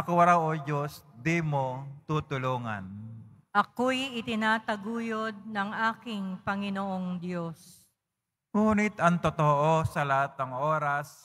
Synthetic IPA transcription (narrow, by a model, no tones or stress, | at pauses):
ɐkowɐɾawʔod͡ʒosd̪imot̪uːt̪ʊloːŋa̰nʔɐkojʔɪt̪ɪnaːt̪ɐɡuːjod̪̚nɐŋʔaːkɪŋpɐŋɪnoʔoŋd̪jos | ŋuːnɪt̪ɐŋt̪ot̪oʔosɐlɐat̪̚ːɐŋʔoːɾas